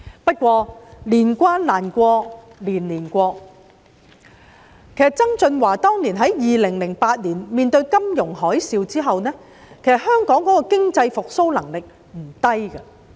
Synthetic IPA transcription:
pɐ˥t̚kʷɔː˧liː˨˩nkʷaː˥nlaː˨˩nkʷɔː˧ | liː˨˩nliː˨˩nkʷɔː˧k̚ | kʰe˨˩sɐ˨˩t̚t͡sɐ˥ŋt͡sɵ˧nwaː˨˩t̪ɔː˥ŋliː˨˩nɦɐ˨˥jjiː˨lɪ˨˩ŋlɪ˨˩ŋpaː˧t̚liː˨˩nmiː˨˧nt̪ɵ˧ɥkɐ˥mjʊ˨˩ŋhɔː˨˥jsiː˧wt͡siː˥ɦɐ˨wnɛː˥ | kʰe˨˩sɐ˨t̚hœː˥ŋkɔː˨˥ŋkɔ˨˥kɔː˧kɪ˥ŋt͡sɐ˧jfʊ˨k̚so˥wlɐ˨˩ŋlɪ˨k̚ | m̩˨˩t̪ɐ˥jkɐ˧

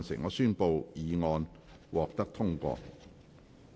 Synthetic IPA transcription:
nsɪ̰˨˩ŋɔː˨˧syː˥npo˨˧wjiː˨˧ŋɔː˧n | wɔː˨k̚t̪ɐ˥k̚t̪ʰʊ˥ŋkʷɔ̰ː˧

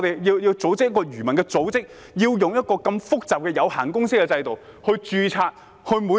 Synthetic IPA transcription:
t̪e˨jjiː˧wji˧wt͡so˨˧˥wt͡sɪ˥jɐ˥kːɔː˧jyː˨˩mɐ˨˩nkɛː˧t͡so˨˥wt͡sɪ˥k̚ | jiː˧wjʊ˨˩ŋjɐ˥t̚kɔː˧kɐ˧mfʊ˥k̚t͡saː˨p̚kɛ˧jɐ˨˧whaː˨˩nkʊ˥ŋsɪ˥k̚ːɛ˧t͡sɐ˧jt̪o˨w | hɵ˧ɥt͡ʃyː˧t͡sʰaː˧t̚ | hɵ˧muː˨˧

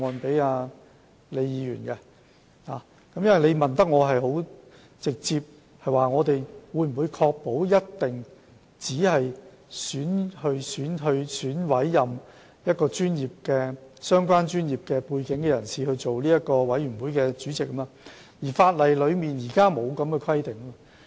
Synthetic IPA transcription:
ɔː˨npe˨˥jaː˧ | le˨˧jjiː˨˧jy̰ː˨˩nkɛ˧ | laː˨ | kɐ˨˥mjɐ˥nwɐ˨˩jle˨˧jmɐ˨˩nt̪ɐ˥k̚ŋɔː˨˧ɦɐ˨jhɦo˨˥w | t͡sɪ˨k̚t͡siː˧p̚ | hɐ˨jwaː˨˩ŋɔː˨˧t̪e˨jwuː˨˧jm̩˨˩wu˨˧jkʰɔː˧k̚po˨˥wjɐ˥tt̪ɪ˨ŋ | t͡siː˨˥hɐ˨j | syː˨˥nhɵ˧syː˨˥nɦɵ˧ɥsyː˨˥nwɐ˨˥jːɐ˨m | jɐ˥t̚kɔː˧t͡ʃyː˥njiː˨˩p̚kɛː˧sœː˥ŋkʷwaː˥nt͡ʃyː˥njiː˨˩p̚kɛː˧puː˧jkɪ˨˥ŋkɛː˧jɐ˨˩nsiː˨hɵ˧ɥt͡so˨wliː˥jɐ˥t̚kɔː˧wɐ˨˥jɥyː˨˩nwu˨˥jkɛː˧t͡ʃyː˨˥t͡sɪ˨k̚ːɐ˦ma˧ | jiː˨˩faː˧t̚lɐ˨˩jlɵ˨˧ɥmiː˨njiː˨˩kaː˥mo˨˧wkɐ˨˧mkɛ˧kʰɐ˥jt̪ɪ˨ŋː˥mɐ˧

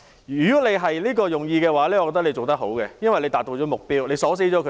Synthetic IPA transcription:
yː˨˩kɔ˨˥le˨˧jɦɐ˨jliː˥kɔː˧jʊ˨ŋjiː˧kɛː˧waː˨˥lɛː˥ɔ˨˧kɔ˧t̪ɐ˥kle˨˧t͡ʃo˨˩wt̪ɐ˥k̚ɦo˨˥wkɛ˧jɐ˥nwɐ˨jle˧t̪aː˨t̪̚o˧t͡ʃɔː˨˥m˨k̚piː˥wle˨˧jsɔː˨˥s̬e˨˥jt͡ʃɔː˨˥kʰ

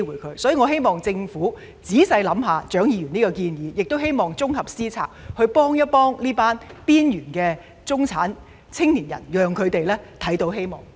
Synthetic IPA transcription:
wuː˨˩jkʰɵ˨˧ɥsɔː˨˥jiː˨ŋɔ˨˧ɦe˥jmɔː˨˩ŋt͡sɪ˧ŋfuː˨˥ | t͡siː˨˥sɐ˧jlɐ˨˥mɦaː˨t͡ʃœː˨˥ŋjiː˨˧ɥyː˨˩niː˥kɔ˧kiː˧njiː˨˧jɪ˨k̚t̪o˥whe˥jmɔː˨˩ŋt͡sʊ˥ŋhɐ˨p̚siː˥t͡sʰa̰ː˨˩k̚hɵ˧ɥpɔː˥ŋjɐ˥t̚pɔː˥ŋniː˥paː˥npiː˥njyː˨˩nkɛː˧ | t͡sʊ˥ŋt͡sʰaː˨˥n | t͡sʰɪ˥ŋniː˨˩njɐ̰˨˩njœː˨˧ŋkʰɵ˨˧ɥt̪e˨jlɛː˥t̪ʰɐ˨˥jt̪o˨˥wɦe˥jmɔ̰ː˨˩ŋ

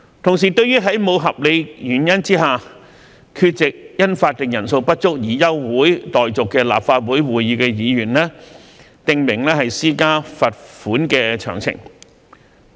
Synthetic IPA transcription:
t̪ʰʊ˨˩ŋs̬iː˨˩t̪ɵ˧ɥjyː˥ɦɐ˨˥jmo˨˧wɦɐ˨p̚le˨˧jjyː˨˩njɐ˥nt͡siː˥ɦaː˨ | kʰyː˧t̚t͡sɪ˨k̚jɐ˥nfaː˧t̚t̪ɪ˨ŋjɐ˨˩nso˧wpɐ˥t̚t͡sʊ˥k̚jiː˨˩jɐ˥wwuː˨˥jt̪ɔː˨jt͡sʊ˨kːɛː˧la̰ː˨pfaː˧t̚wuː˨˥jwuː˨˩jiː˧kɛː˧jiː˨˧jyː˨˩nlɛː˥ | t̪ɪ˨ŋmɪ˨˩ŋlɛː˥hɐ˨jsiː˥kaː˥fɐ˨t̚fuː˨˥nkɛː˧t͡ʃʰœ̰ː˨˩ŋt͡sʰɪ̰˨˩ŋ

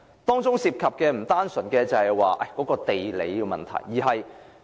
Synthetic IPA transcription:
t̪ɔː˥ŋt͡sʊ˥ŋsiː˧p̚kʰɐ˨p̚kɛː˧m̩˨˩t̪aː˥nsɵ˨˩nkɛː˧t͡sɐ˨˧hɐ˨jwaː˨ʔɐ˨˩jkɔː˨˥kɔː˧t̪e˨jlḛ˨˧˥jiː˧wmɐ̰˨˩nt̪ʰɐ̰˨˩jːiː˨˩ɦɐ˨j

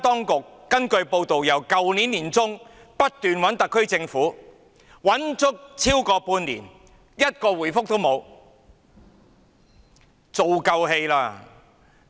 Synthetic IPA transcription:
t̪ɔː˥ŋkʊ˨kːɐ˥nkɵ˧ɥpo˧wt̪o˨wjɐ˨˩wkɐ˨wniː˨˥nːiː˨˩nt͡sʊ˥ŋ | pɐ˥t̚t̪yː˨nwɐ˨˥nt̪ɐ˨kʰːɵ˥ɥt͡sɪ˧ŋfuː˨˥ | wɐ˨˥nt͡sʊ˥k̚t͡sʰiː˥wkɔː˧puː˧nlḭː˨˩n | jɐ˥t̚kɔː˧wuː˨˩jfʊ˥k̚t̪o˥wmo˨˧w | t͡so˨wkɐ˧wɦe˧jlaː˧

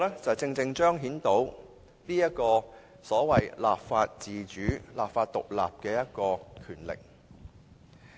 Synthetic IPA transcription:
lɛː˥t͡sɐ˨˩wt͡sɪ˧ŋt͡sɪ˧ŋt͡ʃœː˥ŋɦiː˨˥nt̪o˨˥w | niː˥jɐ˥t̚kɔː˧ | sɔː˨˥wɐ˨jla̰ː˨pfaː˧t̚t͡siː˨t͡ʃyː˨˥laː˨pfaː˧t̚t̪ʊ˨k̚la̰ː˨p̚kɛː˧jɐ˥t̚kɔː˧kʰyː˨˩nlɪ̰˨k̚

